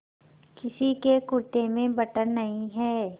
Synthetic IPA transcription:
kɪsikekʊɾʈ̪emẽbɐʈəɾnɐɦĩɦɛː

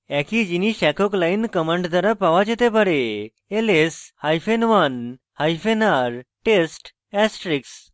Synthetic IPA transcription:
ɛkʰid͡ʑiniɕɛkɔklajinkəməɳɖd̪aɾapaʋad͡ʑet̪epəɽe | eleshajfenʋan | hajfenaɾʈesʈ | ɛsʈɾiks

